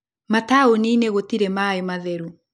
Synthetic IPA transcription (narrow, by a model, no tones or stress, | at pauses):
mataonineɣotiɾemaemaðɛɾu